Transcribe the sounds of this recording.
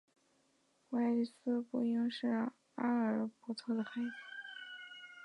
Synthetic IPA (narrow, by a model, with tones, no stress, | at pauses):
wa˥ɪli˧˩sɹ̩˥pu˥i˥ŋʂɻ̩˥˩ | a˥ə˞˧˥pɔ˧˥t̪ʰɤ˥˩d̪ə˩xa˥˩ɪ˥˩